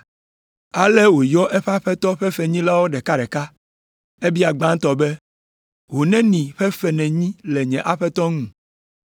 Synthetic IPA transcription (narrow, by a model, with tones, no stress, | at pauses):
a˨lɛ˦wo˨jɔ˦ʔɛ˦ɸɛ˦a˦ɸɛ˦t̪ɔ˦ɸɛ˦fɛ˨ɲĩ˦la˦wo˦ɖɛ˨ka˦ɖɛ˨ka˦ | e˦bi˦a˨ɡ͡bã˦ŋ̩˦t̪ɔ˨bɛ˦ | wo˨nɛ̃˦nĩ˨ɸɛ˦ɸɛ˨nɛ̃˨ɲĩ˦lɛ˨ɲɛ̃˨ʔa˦ɸɛ˦t̪ɔ˦ŋũ˨